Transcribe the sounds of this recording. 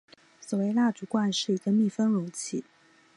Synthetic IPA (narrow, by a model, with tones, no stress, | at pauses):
swɔ˨˩we˥˧ɪla˥˩ʈ͡ʂu˧˥kwa˥˧nʂɻ̩˥˩i˧˥ɡə˧mi˥˩fə˥ŋɻʊ˧˥ŋt͡ɕʰi˥˩